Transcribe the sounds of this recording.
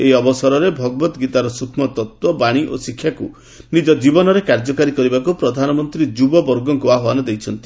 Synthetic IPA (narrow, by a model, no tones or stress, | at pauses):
eiɔbɔsɔɾɔɾebʱɔɡɔbɔt̪ɔɡit̪aɾɔsukʰmɔt̪ɔt̪wɔbaɽ̃iʔosikʰːjakṵ | nid͡ʒɔd͡ʒibɔnɔɾekaɾd͡ʒɔkaɾikɔɾibakupɾɔd̪ʱanɔmɔnt̪ɾid͡ʒubɔbɔɾɡɔɡoaɦoanɔd̪ejt͡ʃʰɔnt̪i